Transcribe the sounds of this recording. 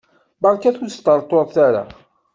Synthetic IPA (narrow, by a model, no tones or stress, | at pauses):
bɑɾˤkæθust̪əɾˤt̪ˤːoðˤθaɾa̰